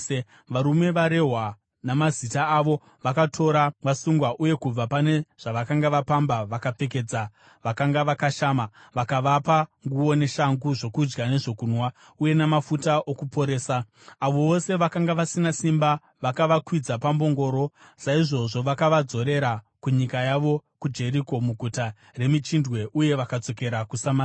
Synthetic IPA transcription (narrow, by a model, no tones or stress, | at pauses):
ʋaɾume̞ʋaɾe̞ɦwa | namazitaːʋo̞ | ʋakatʰo̞ɾaʋasuŋɡwaʔuje̞kub͡vapane̞ʐ̥aʋakaŋɡaʋapambaʋakap͡fe̞k̬e̞ːd͡za | ʋakaŋɡaʋakaʃamaʋakaʋapaŋɡuo̞ne̞ʃaŋɡuʐo̞kud͡ʒɡane̞ʐo̞kunwa | uje̞namafutaʔokupo̞ɾe̞ːsaː | ʋo̞ʋo̞se̞ʋakaŋɡaʋasinasimba | ʋakaʋakwid͡zapambo̞ŋɡo̞ːɾo̞ | saiʐo̞ʐo̞ʋakaʋad͡zo̞ɾe̞ɾa | kuɲikajaʋo̞kud͡ʒe̞ɾiko̞muɡʱuta | re̞mit͡ʃindwe̞ʔuje̞ʋakad͡zo̞ke̞ɾakusama